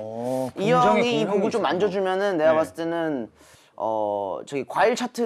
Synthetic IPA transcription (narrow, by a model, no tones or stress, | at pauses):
ijʌʌiipoɡɯt͡ɕomːand͡ʑʌd͡ʑumjʌnɯnːe̞ɡwapas͈ɯ̥t͈ʰenɯn | ʌ̰t͡ɕʌɡikwaiɭt͡ɕʰatʰɯ